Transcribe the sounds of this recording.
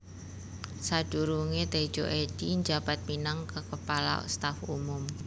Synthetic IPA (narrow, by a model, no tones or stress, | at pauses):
sad̥uɾuŋet̪e̥d͡ʒ̥oʔed̪̥iɲd͡ʒab̥at̪̚minaŋkəkəpala̰o̰st̪afṵmʊm